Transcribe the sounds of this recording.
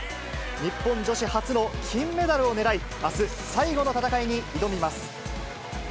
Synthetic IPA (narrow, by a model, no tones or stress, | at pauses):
ɲ̟ipːõ̞ɲ̟d͡ʑo̞ɕihat͡sɨno̞kʲʰĩmːe̞d̪aɾɯ̟o̞ne̞ɾai | asɨ | saiɡo̞no̞t̪at̪akaiɲ̟iid̪o̞mʲimasɨ̥